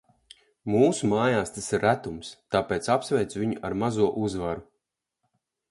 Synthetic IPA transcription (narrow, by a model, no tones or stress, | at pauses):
muːsumaːjaːst̪asiɾːæt̪umst̪aːpeːt̪sapsvʲɛjt̪sviɲuʔaɾmazuɔʔuzvaɾu